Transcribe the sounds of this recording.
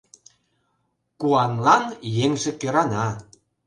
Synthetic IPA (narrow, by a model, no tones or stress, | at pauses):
kuɑnlɑnjeŋʒekøɾɑnɑ